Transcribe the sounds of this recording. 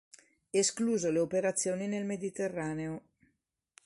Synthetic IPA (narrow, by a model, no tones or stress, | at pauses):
eskluːzoleopeɾat̪sːjoːninelmed̪it̪erːaːneo